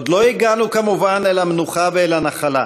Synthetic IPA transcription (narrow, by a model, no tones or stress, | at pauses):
d̪lo̞iɡanukamuvanelhamenuχaveelanaχala